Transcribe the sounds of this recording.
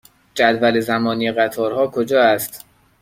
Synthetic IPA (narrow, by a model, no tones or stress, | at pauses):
d͡ʒæd̪vælezæmɒːniːeɣæt̪ʰɒːɾhɒːkʰod͡ʒɒːæst̪